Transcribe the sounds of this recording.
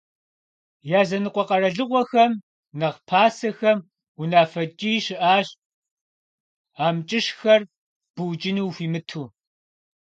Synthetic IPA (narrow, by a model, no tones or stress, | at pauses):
jaːzɐnɨqʷʼɔqɐɾɐɮɨʁʷɔxɐm | nɐʁpʰaːsɐxɐm | unaːfɐt͡ʃʼiːʃɪʔaːɕ | aːmt͡ʃʼɪʃxɐr | b̥uwt͡ʃʼɪnuːfiːmɨtʰuː